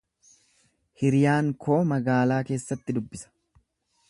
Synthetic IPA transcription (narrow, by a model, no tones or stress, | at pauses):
hɪɾjaːŋkʰo̞ːmɐɡaːlaːke̞ːsːɐt̪ːɪd̪ʊbːɪsɐ̥